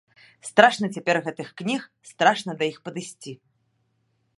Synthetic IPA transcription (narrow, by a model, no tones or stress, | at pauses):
st̪ɾaʂnɐt͡sʲapʲɛrɣɛt̪ɨxknʲixst̪ɾaʂnɐd̪ɐjixpɐd̪ɨsʲt͡sʲi